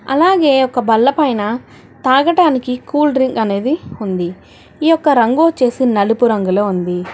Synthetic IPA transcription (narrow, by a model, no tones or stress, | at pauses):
ɐ̰laːɡe̞ːɔkɐbɐlːɐpɐjnɐ | t̪aːɡɐʈaːnikikuːlɖɾiŋɡɐne̞ːd̪iund̪i | iːjɔkːɐɾɐŋɡoːt͡ʃe̞ːsinɐlupuɾɐŋɡulo̞ːund̪i